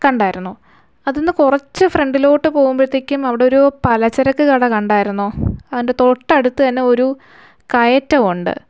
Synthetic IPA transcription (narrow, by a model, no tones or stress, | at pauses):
kɐɳɖaːjiɾunːu | ɐðenːɨkurɐt͡ɕːɨfre̞ɳɖilo̞ːʈːɨpo̞ːɣumpeɾt̪ːikʲːumɐʋiɽeo̞ɾupɐlɐt͡ɕːɐɾɐkːɨkɐɽɐkɐɳɖaːjiɾunːoːɐðinde̞t̪o̞ʈːɐɐɽut̪ːɨt̪ɐnːe̞o̞ɾu | kɐjɐtːɐmuɳɖɨ̰